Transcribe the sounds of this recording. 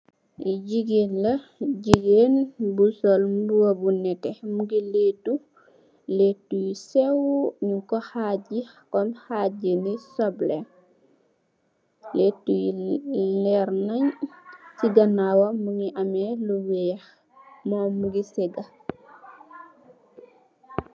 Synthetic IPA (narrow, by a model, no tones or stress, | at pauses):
iɟiɡeːnlɐɟiɡeːnbusɔlmbuwɐbunɛtɛmuɡileːtu | letːujisɛwɲukɔhaɟi | kɔnhaɟinisɔblɛ | letːujilɛɾnɐɲsiɡɐnawɐmuŋiʔɐmɛluwɛːx | mɔːmuɡisɛɡɐ